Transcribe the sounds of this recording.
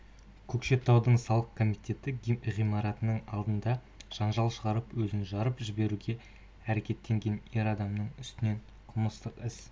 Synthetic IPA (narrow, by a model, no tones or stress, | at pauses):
kʲʰɵkʃe̞p̚t̪ːɑwd̪əɴsɑlˠəqkʰo̞mijt̪ʲe̞t̪ɪʁijmɑɾɑt̪ənəɴɑlˠd̪ənd̪ɑ | ʒ̥ɑnʒɑlˠʃəʁɑɾəpwɵzɪnʒɑɾəpʒɪbe̞ɾuɡʲe̞ | æɾe̞kʲe̞t̪ːe̞ŋɡʲe̞ne̞ɾɑd̪ɑmnəɴʏst̪ɪne̞ɴ | qʰʊməst̪əqɪs